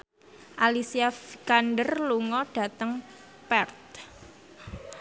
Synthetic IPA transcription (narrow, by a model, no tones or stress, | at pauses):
ʔalisiafikanɖərluŋɔɖ̥a̤t̪əŋ | pɛrt̪̚